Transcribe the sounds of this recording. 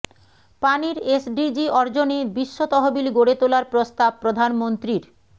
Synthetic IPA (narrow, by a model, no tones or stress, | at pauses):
paniɾesɖid͡ʑiɔɾd͡ʑonebiʃːot̪ɔɦobilɡoɽet̪olaɾpɾost̪ab̚pːɾod̪ʱanmont̪ɾiɾ